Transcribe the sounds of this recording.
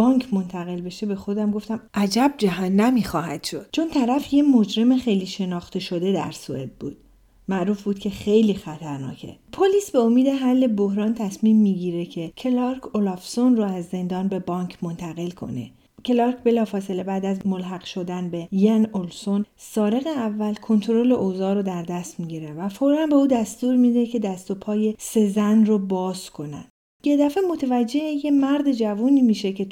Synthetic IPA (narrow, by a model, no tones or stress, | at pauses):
bɒːŋcʰmo̞nt̪ʰæɣe̞lbe̞ʃebe̞xo̞d̪æmɡo̞ft̪æmʔæd͡ʒæb̚d͡ʒæɦænːæmiːxɒːhæ̰d̪̥ʃo̞̰d̪̥t͡ʃʰo̞nt̪ʰæɾæfjemo̞d͡ʒɾe̞mexejliːʃe̞nɒːχt̪e̞ʃo̞d̪e̞d̪æ̰ɾsue̞̰b̪̚bṵːd̪̥ | mæʔɾuːfbuːd̪cʰe̞xejliːxæt̪ʰæɾnɒ̰ːcʰe̞̰pʰoliːsbeomiːd̪e̞ɦælːe̞bohɾɒːnt̪ʰæsmiːmːiɟiːɾe̞cʰe̞cʰe̞lɒɾkʰolɒfsonroæzːe̞nd̪ɒːnbe̞bɒːŋcʰmo̞nt̪ʰæɣe̞lkʰo̞̰ne̞̰ | cʰe̞lɒɾkʰbe̞lɒːfɒːse̞le̞bæːd̪æzmolɦæɣ̥ʃo̞d̪ænbe̞jænolso̞n | sɒːɾe̞ɣeævːælkʰo̞nt̪ʰoɾo̞le̞ʔozɒːɾod̪æɾd̪æst̪miɟiɾevæfoɾɾænbeuːd̪æst̪uːɾmiːd̪e̞cʰe̞d̪æst̪o̞pʰɒːje̞se̞zænrobɒːzkʰo̞næ̰d̪̥ | je̞d̪æfe̞mo̞t̪ʰevæd͡ʒːe̞hejʰemæɾd̪ed͡ʒævuːniːmiːʃe̞ce̞